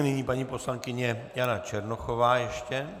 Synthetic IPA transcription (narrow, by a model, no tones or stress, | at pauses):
nɪɲiːpaɲiːpo̞slaŋkɪɲɛjanat͡ʃɛɾnoxovaːjɛʃcɛ